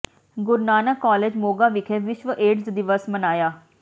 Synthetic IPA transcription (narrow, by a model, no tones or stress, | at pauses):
ɡʊɾnaːnəkːaːleːd͡ʒmoːɡaːʋɪkʰeːʋɪʃʋəʔeːɖsd̪ɪʋəsmənaːjaː